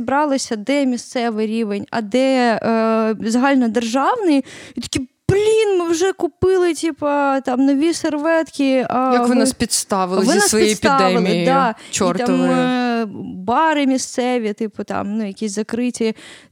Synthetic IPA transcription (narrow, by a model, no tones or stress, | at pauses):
bɾɑlˠɪsʲɐd̪ɛmʲist̪sɛʋɪɾʲiʋenʲɐ̰d̪ɛ | zɐɦɑlʲnɔd̪erʒɑwnɪjit̪ɐ̥kʲiplʲinmɪwʒɛkʊpɪlˠɪtʲipɐt̪ɑmnɔʋʲiserʋɛt̪kʲiɐjɐʋɪnaspʲit̪st̪ɑʋɪlˠɪʋɪnasɔjʲij̪esp̪ʲiɑd̪ɛɪlmʲiɪd̪ɑt͡ʃɔrt̪ɑm | bɑɾɪmʲist̪sɛʋʲit̪ɪpʊt̪ɑ̰mnujɐkʲisʲzɐkɾɪtʲi